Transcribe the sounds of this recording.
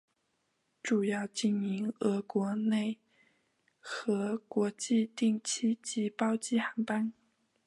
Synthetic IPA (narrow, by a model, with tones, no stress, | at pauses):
ʈ͡ʂu˨˩jɑ˥˧ʊt͡ɕi˥˩ni˧˥ŋɤ˧˥kwɔ˧˥ne˥˩ɪ | xɤ˧˥kwɔ˧˥t͡ɕi˥˧t̪i˥˧ŋt͡ɕʰi˥t͡ɕi˧˥pɑ˥ʊt͡ɕi˥xa˧˥npa˥n